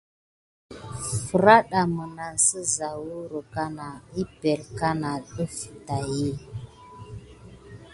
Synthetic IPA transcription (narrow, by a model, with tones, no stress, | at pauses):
fə˨ɾa˦ɗa˨mə˨na˨nsə˦za˨wu˦ɾo˨ka˦na˨i˦pe˨ɾka˦na˨ɗə˦fi̥˨ta˨ji˦˨